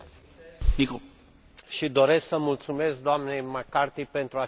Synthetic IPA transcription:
miko | ʃid̪o̞ɾe̞sksəmult̪sume̞sk̚d̪oamne̞jmakart̪ipe̞nt̪ɾua

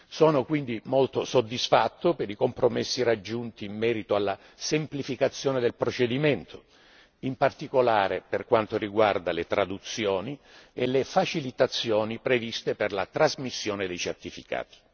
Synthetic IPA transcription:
sɔːnokwind̪imolt̪osod̪ːisfat̪ːopeɾikompɾomesːirad͡ʒːunt̪iːmːɛːɾit̪oalːa | semplifikat̪sːjɔːned̪elpɾot͡ʃed̪iment̪ʰo̥ | impart̪ikolaːɾeperkwant̪oriɡward̪alet̪ɾad̪ut̪sːjɔːnielefat͡ʃilit̪at̪sːjɔːnipɾevist̪eperlat̪ɾazmisːjoːned̪ejt͡ʃert̪ifika̰ːt̪i̥

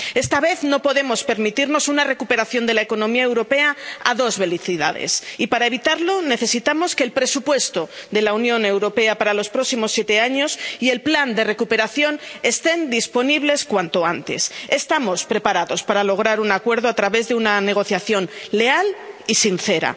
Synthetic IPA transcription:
e̞st̪aβ̞e̞θno̞po̞ðe̞mo̞spe̞ɾmit̪iɾno̞sunare̞kupe̞ɾaθjo̞nd̪e̞laeko̞nõmiaewɾo̞pe̞aa̰ðo̞zβe̞liθiða̰ðḛsipaɾae̞β̞it̪aɾlo̞ne̞θe̞sit̪amo̞ske̞ːlpɾe̞supwe̞st̪o̞ðe̞launjõ̞ne̞wɾo̞pe̞apaɾalo̞spɾo̞ksimo̞sːje̞t̪e̞aɲo̞sie̞lpland̪e̞re̞kupe̞ɾaθjone̞st̪e̞nd̪ispo̞niβle̞skwant̪o̞ant̪e̞̰sest̪amo̞spɾe̞paɾaðo̞spaɾalo̞ɣ̞ɾaɾunakwe̞ɾðo̞at̪ɾaβe̞zðeunane̞ɣ̞o̞θjaθjo̞nle̞alisinθe̞ɾa̰

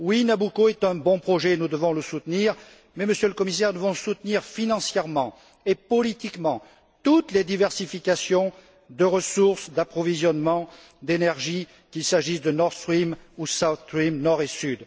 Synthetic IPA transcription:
winabukoɛt̪ɛ̃bɔ̃pχɔʒɛnud̪əvɔ̃ləsut̪niʁ | mɛməsjøləkɔmisɛʁnəvɔ̃sut̪niʁfinɑ̃sjɛʁmɑ̃ | epɔlit̪ikmɑ̃ | t̪ut̪led̪ivɛʁsifikasjɔ̃ | d̪əʁəsuʁsd̪apχɔvizjɔnmɑ̃ | d̪enɛʁʒi | kʲilsaʒisd̪ənɔʁst̪χimusawθt̪ʁimnɔʁesyd̪

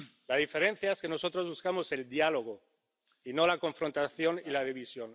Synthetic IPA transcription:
laðife̞ɾẽ̞n̟θjaeske̞nosot̪ɾo̞zβuskamo̞se̞ld̪jalo̞ɣ̞o | ino̞lako̞ɱfɾo̞nt̪aθjo̞nilaðiβisjo̞n

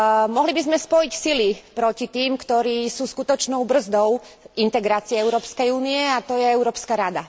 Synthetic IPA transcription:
mɔɦlibizmɛspɔjicsilipɾɔcit̪iːmkt̪ɔɾiːsuːskut̪ɔt͡ʃnɔʊbr̩zd̪ɔʊ | int̪ɛɡɾaːt͡siɛɛʊɾɔːpskɛjuːniɛat̪ɔjɛɛʊɾɔːpskaɾad̪a

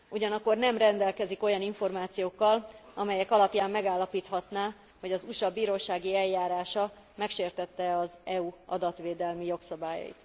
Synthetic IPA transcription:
uɟɒnɒkːo̞rnɛmrɛnd̪ɛlkɛziko̞jɒniɱfo̞rmaːt̪sijoːkːɒlɒmɛjɛkɒlɒpjaːmːɛɡaːlːɒpiːt̪hɒt̪naː | ho̞ɟɒzuʃɒbiːɾoːʃaːɡiɛljaːɾaːʃɒ | mɛkʃeːrt̪ɛt̪ːɛɒzɛuɒ̰d̪ɒt̪ʋeːd̪ɛlmijo̞ksɒbaːjɒ̰jḭt̪

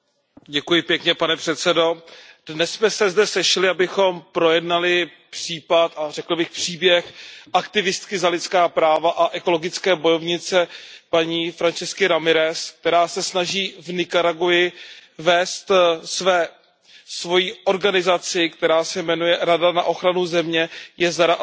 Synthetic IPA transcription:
ɟɛkujɪpjɛkɲɛpanɛpr̥ɛt̪sɛdo̞dnɛssmɛsɛzdɛsɛʃɪlɪabɪxo̞mpɾo̞jɛdnalɪ | pr̝̥iːpat̪arɛkl̩bɪxpr̥iːbjɛxʔakt̪ɪvɪst̪kɪzalɪt̪t͡skaːpɾaːvaʔaʔɛko̞lo̞ɡɪt͡skɛːbo̞jo̞vɲɪt͡sɛpaɲiːfɾant͡ʃɛskɪɾamɪɾɛsk̚t̪ɛɾaːsɛsnaʒiːvnɪkaɾaɡujɪvɛːst̪svɛː | svo̞jiʔo̞ɾɡanɪzat͡sɪkt̪ɛɾaːsɛmɛnujɛɾadana̰ʔo̞xɾanuzɛmɲɛjɛzaɾa

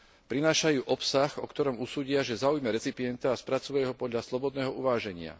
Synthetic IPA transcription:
pɾinaːʃajuːʔɔpsaxɔkt̪ɔɾɔmusuːɟɪaʒɛzaujmɛɾɛt͡sipiɛnt̪aːspɾat͡suɛɦɔpɔd̪ʎaslɔbɔd̪nɛːɦɔuʋaːʒɛɲɪa̰

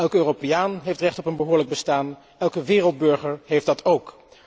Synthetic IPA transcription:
ɛlˠkøːropejaːnɦejftrɛχtɔpənbəɦʊːɹləɡ̚bəstaːn | ɛlˠkəʋɪːrəlˠd̚bɵɹχəɹɦejfdɑtʰowk

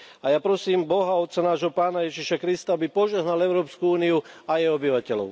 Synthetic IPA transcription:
ajaːpɾɔsiːmbɔɦaɔt̪t͡sanaːʒɦɔpaːnajɛʒiʃakɾist̪aabipɔʒɛɦnalɛʊɾɔːpskuuːniuajɛjɔbiʋacɛlɔ̰ʊ

